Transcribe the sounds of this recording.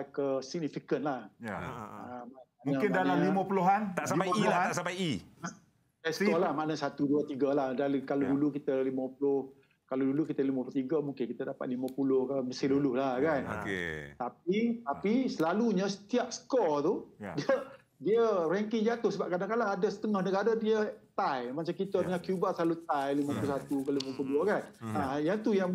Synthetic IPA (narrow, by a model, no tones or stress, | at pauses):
ajkəsik̚nifikənlahjamamamnəkɪndanaliməpuluɦant̪aʔsapalat̪aʔsampaji | dasə̥kɔlahmanəsat̪uduət̪iɡəlahdalikalodulukit̪əliməpulʊh | kalodulukit̪əliməplət̪iɡəmũŋkɪnkit̪ədapa̰t̪̚liməpulʊhkəməsɪlulʊhlahkanokḛt̪ap̚it̪apisəlaluɲəsə̥t̪iap̚sə̥kɔt̪udiə | diəɾɛŋkɪŋd͡ʒat̪ʊhsəbap̚kɾadakalaadəsə̥t̪əŋɔhnəɡaɾadiət̪ajmat͡ʃamkit̪ədəŋakjubaʔsəlalut̪ajliməpulusat̪ukaloliməpluoduəkanajat̪ujaŋ